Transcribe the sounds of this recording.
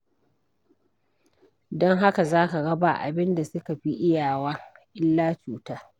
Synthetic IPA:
dɔ˦ŋɦa˦ka˨zaː˦ka˨ɡɐ˦ba̰˨ʔa̰˨bɪ˦nda˨sʊ˦ka˨ɸi˦ʔɪ˦jaː˨waː˦ʔɪ˦lːaː˦t͡ʃuː˨taː˦

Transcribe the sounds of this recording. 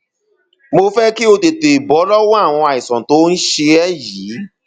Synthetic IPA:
mo˧fɛ˦ki˦o˧te˨te˨i˨bɔ˨˦lɔ˦wɔ˦a˦˨w̃ɔ̃˧a˨i˨sɔ̃˨to˨˦n̩˦ʃe˧ɛ˦ji˨˦

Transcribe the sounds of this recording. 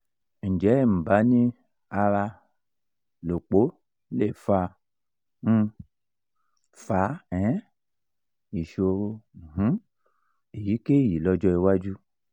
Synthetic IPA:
n̩˨d͡ʒɛ˨˦˨m̩˨ba˨˦nĩ˦ | a˧ɾa˧ | lo˨k͡po˨˦ | le˦˨fa˧ | n̩˧ | fa˨˦ɛ̃˨˦ | i˨ʃo˧ɾo˧˨ɦũ˨˦ | e˨ji˨˦ke˦ji˨lɔ˧d͡ʒɔ˧i˧wa˦d͡ʒu˦

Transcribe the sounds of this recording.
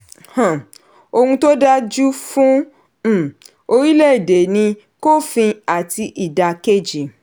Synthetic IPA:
hã˨ | o˧hũ˧to˦da˦d͡ʒu˦fũ˦˨ | o˧ɾi˦le˦i˨de˨nĩ˧ | ko˦fĩ˧a˨ti˧ʔi˨da˨ke˦˨d͡ʒi˨

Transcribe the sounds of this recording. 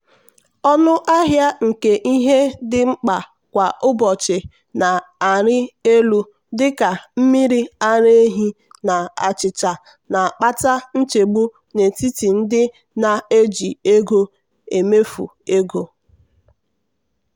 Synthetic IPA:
ɔ˦nʊ˦ʔa˦ɦja˦ŋ̩˨ke˨ʔi˦ɦe˦dɪ˦ŋ͡m̩˦k͡pa˨ | kʷa˨ʊ˦bɔ˨t͡ʃɪ˨ | na˨a˨ɾɪ˦e˦lu˦ | dɪ˦ka˨m̩˦mi˦ɾi˦a˦ɾe˦e˦ɦi˦ | na˨a˨t͡ʃɪ˨t͡ʃa˨ | na˨k͡pa˦ta˦n̩˦t͡ʃe˨ɡ͡bu˦ | ne˨ti˦ti˨n̩˦dɪ˦ | na˨e˦d͡ʒi˨e˦ɡo˦ | e˨me˦fṵ˨e˦ɡo˦

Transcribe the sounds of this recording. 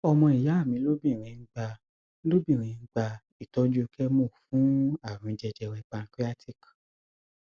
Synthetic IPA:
ɔ˧mɔ̃˧i˨ja˨˦a˦˨mĩ˨˦lo˦bĩ˦˨ɾ̃ĩ˨˧˦ɡ͡ba˧ | lo˦bĩ˦˨ɾ̃ĩ˨˦˧ŋ̩˦ɡ͡ba˧ | i˦˨tɔ˦d͡ʒu˦kɛ˦mũ˦˨fũ˦a˨ɾ̃ũ˧d͡ʒɛ˧d͡ʒɛ˧wɛ˧k͡pa˧n̩˦kɾi˦a˦tʰi˦˨k

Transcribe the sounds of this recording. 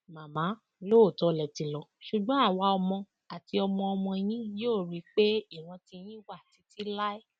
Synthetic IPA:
mã˨mã˨˦ | lo˦o˦˨tɔ˨˦lɛ˨tĩ˧lɔ˨ʃu˨ɡ͡bɔ̃˨˦a˦˨wa˧˦ɔ˧mɔ̃˧ | a˨ti˧ɔ˧mɔ̃˧ɔ˧mɔ̃˧j̃ĩ˦joː˦˨ɾi˨˦k͡pe˦i˦˨ɾ̃ã˨˧tĩ˧j̃ĩ˦wa˦˨ti˨˦ti˦la˦i˦

